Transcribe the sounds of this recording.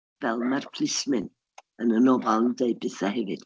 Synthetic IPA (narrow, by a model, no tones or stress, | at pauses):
v̥ɛlˠmarpʰl̥ismɪn | ənənɔvalˠndeɨbɪθahɛvɪd̥